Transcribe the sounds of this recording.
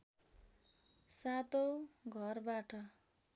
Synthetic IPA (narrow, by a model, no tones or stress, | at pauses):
sat̪oɡʱʌrbaʈʌ